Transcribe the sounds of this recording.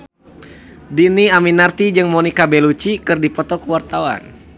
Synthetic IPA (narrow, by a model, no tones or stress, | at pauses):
diniaminart̪id͡ʒɨŋmɔnikabɛlut͡ʃikɨrdipɔt̪ɔkuwart̪awa̰n